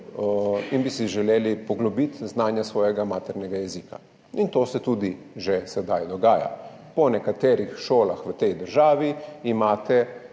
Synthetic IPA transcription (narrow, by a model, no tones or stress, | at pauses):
inbisiʒɛleːlipɔɡlɔbit̪znaːnjasʋɔːjɛɡamaːt̪ɛɾnɛɡajɛziːka̰ | int̪oːsɛt̪uːd̪i | ʒɛsɛd̪ajd̪ɔɡaːja̰ | pɔnɛkat̪ɛːɾixʃoːlaxʋət̪ɛjd̪əɾʒaːʋiːmaːt̪ɛ